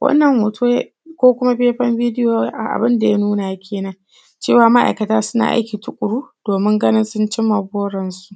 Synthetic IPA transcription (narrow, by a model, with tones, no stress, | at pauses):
wʔɐ̰˦nːɐ˨mːoː˨tʰuː˦j | kʷoː˦kʷʊ˦ma˦ɸeː˦ɸɐ˦mbiː˦dɪ˦joː˨˦ʔa˨ʔa̰˨bɪ˦nda˨ja˦nuː˦na˨a˦kʲʰeː˨nɐ˦ŋ | t͡ʃeː˦˨waː˦ma˦ʔa̰˨jkɐ˨taː˦sʊ˦na̰ː˨ʔa̰˦jkʲi˨tʊ˨kʷʼʊ˨ɽuː˦d̥oː˨mɪ˦ŋɡɐ˦nɪ˦nsʊ˦nt͡ʃɪ˦mːa˨boː˦ɽɐ˨nsu̥˨ʔ